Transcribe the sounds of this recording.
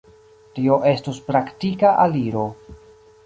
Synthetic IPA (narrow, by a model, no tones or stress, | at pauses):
tio̞ʔe̞stospɾaktikaʔaliɾo̞